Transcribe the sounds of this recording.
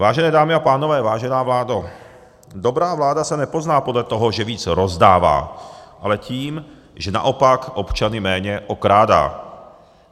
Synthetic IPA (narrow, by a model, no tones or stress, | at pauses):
vaːʒɛnɛːdaːmɪapaːnovɛːvaːʒɛnaːvlaːdo | d̪obɾaːvlaːdasanɛpoznaːpodlɛt̪oɦɔʒɛviːt͡sɾozdaːva̰ːʔalɛciːm | ʒɛna̰ʔopakʔopt͡ʃanɪmɛːɲɛʔokɾaːda̰ː